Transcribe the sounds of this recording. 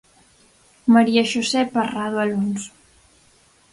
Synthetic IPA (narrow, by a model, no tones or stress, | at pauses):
maɾiaʃosɛparaðwaluns